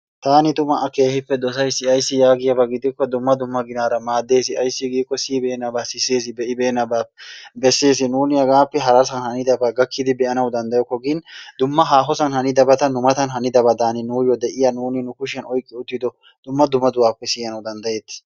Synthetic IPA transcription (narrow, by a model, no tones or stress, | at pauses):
t̪aːnɪt̪ʊmɐʔɐke̞ːhɪpːɛd̪ɔsɐjsɪɐjsːɪjaːɡɪjɐbɐɡɪd̪ɪkːɔd̪ʊmːɐd̪ʊmːɐɡɪnaːɾɐmaːd̪ːe̞ːs̬ɪɐjsːɪɡiːkːɔsiːbeːnːɐbaːsɪse̞ːs̬ɪbɛʔɪbeːnːɐbaːbɛsːe̞ːs̬ɪnuːnɪjɐɡaːpːɛɦɐɾɐsɐnhɐnɪd̪ɐbaɡɐkːɪd̪ɪbɛʔɐnɐwd̪ɐnd̪ɐjɔkːɔɡɪnd̪ʊmːɐɦaːɦɔsɐnhɐnɪd̪ɐbɐt̪ɐnːʊmɐt̪ɐnɦɐnɪd̪ɐbɐd̪aːnɪnuːjɔd̪ɛʔɪjɐnuːnɪnʊkʊʃɪɐnɔjkʼːɪʊt̪ːɪd̪ɔ | d̪̥ʊmːɐd̪ʊmːɐd̪ʊwaːpːɛsɪjɐnɐwd̪ɐnd̪ɐje̞ːt̪ːɪ̥